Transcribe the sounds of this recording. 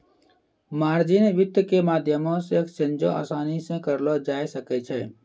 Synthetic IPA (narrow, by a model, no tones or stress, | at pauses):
maːɾd͡ʒɪnʋɪt̪əkemaːd̪ʱjəmõsekt͡ʃẽnd͡ʒõ̰a̰ːsaːnisẽkəɾlod͡ʒaːjsəkɛt͡ʃʰɛː